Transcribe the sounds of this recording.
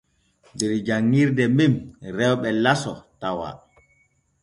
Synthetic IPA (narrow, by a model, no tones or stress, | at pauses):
dɛɾd͡ʒaŋːiɾdɛmimɾɛwɓɛlasɔtawa̰